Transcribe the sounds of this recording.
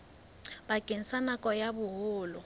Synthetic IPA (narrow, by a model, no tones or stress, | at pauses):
bakʼen̩sanakʼɔjabʊɦʊːlʊ